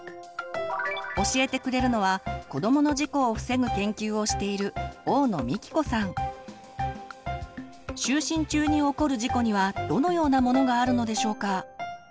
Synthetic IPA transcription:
o̞ɕie̞t̪e̞kɯ̟ɾe̞ɾɯ̟no̞β̞ako̞d̪o̞mo̞no̞ʑiko̞ːɸɯ̟̥se̞ɡɯ̟kẽ̞ŋkʲɨːo̞ɕi̥t̪e̞iɾɯ̟o̞ːno̞̰mʲikʲi̥ko̞sãŋ | ɕɨːɕĩɲ̟t͡ɕɨːɲ̟io̞ko̞ɾɯ̟ʑiko̞ɲ̟iβad̪̥o̞no̞jo̞ːnamo̞no̞ɡaːɾɯ̟no̞d̪e̞ɕo̞ːka

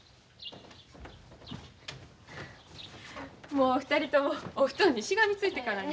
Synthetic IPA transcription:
mo̞ːɸɯ̟̥t̪aɾʲit̪o̞moːɸɯ̥t̪oːɲ̟ːiɕiɡamʲit͡sɨit̪e̞kana

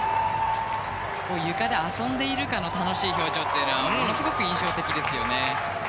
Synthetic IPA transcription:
koːjɯ̟kad̪e̞asõ̞nd̪e̞iɾɯ̟kano̞t̪ano̞ɕiːço̞ːt͡ɕo̞ːt̪ːeːnɯβamo̞no̞sɨɡo̞kɯ̟ĩɰ̃ɕo̞ːt̪e̞kʲid̪e̞sɨjo̞ne̞

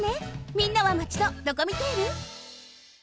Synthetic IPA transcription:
nemʲĩnːaβamat͡ɕi̥t̪od̪o̞komʲit̪e̞iɾɯ̟

